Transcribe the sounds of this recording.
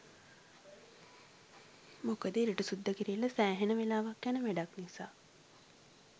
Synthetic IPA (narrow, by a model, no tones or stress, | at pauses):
mokəd̪eːɾiʈəsud̪ːəkiɾijeləsæːɦenəʋelaːʋakːjænəʋæɖaknisaː